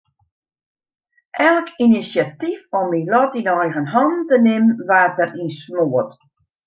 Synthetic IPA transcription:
ʔɛlˠkinisjatifɔmilɔtidəɛjɣənɦɔntənɪmʋaːtərinsmoət

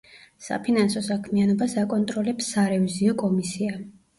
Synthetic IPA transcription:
sa̰pʰinansɔsakʰmianɔbasakʼɔnt̪ʼɾɔlɛpsːaɾɛviziɔkʼɔmisia

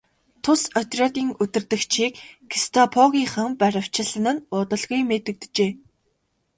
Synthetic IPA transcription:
t̪ʰʊsɔt̪ʲrʲɔt̪ʲiːŋɵt̪ɘ̆rt̪ɘ̆kt͡ɕʰiːkːʰist̪ʰɔpʰɔɣʲiːŋχə̆mpæɾʲə̆w̥t͡ɕʰɪ̆ɮə̆nɘ̆nʊːt̪ə̆ɮɣujmet̪ɘ̆k̚t̪t͡ɕeː

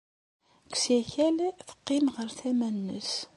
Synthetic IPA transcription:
ksjæçælθə̥qːɪmʁəɾθæmænːə̰s

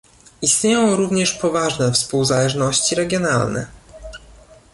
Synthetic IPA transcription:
ist̪ɲejɔ̃w̃ɾuvɲɛʂpɔvaʐnɛfspuwzalɛʐnɔɕt͡ɕiɾɛɡʲjɔna̰lnɛ̰

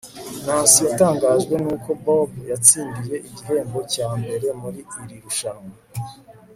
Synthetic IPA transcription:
naːnsijataːŋɡaːʒɡwe̞nuːko̞bobjat͡siːndije̞ʔiɟiɦe̞ːŋɡo̞caːmbe̞ɾe̞muɾiːɾiɾuʃanŋa

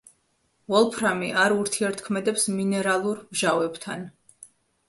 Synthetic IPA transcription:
vɔlˠpʰɾamiʔaɾuɾt̪ʰiɛɾt̪ʰkʰmɛd̪ɛpsminɛɾalˠuɾmʒavɛbt̪ʰan

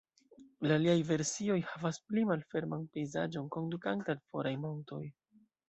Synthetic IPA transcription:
laliajve̞ɾsio̞jhavasplimalfe̞ɾmanpe̞jza̰d͡ʒo̞nko̞ndukantalfo̞ɾajmonto̞j

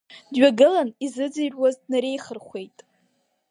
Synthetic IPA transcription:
dɥaɡɨlanizɨd͡zɨjrwazdnaɾe̞jχərχʷe̞jtʼ

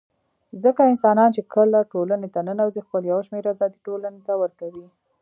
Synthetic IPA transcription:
zəkaɪnsɑnɑnt͡ʃekəlaʈolanet̪ananawzexpəljawʃmeɾazɑd̪iʈolanet̪awəɾkawi

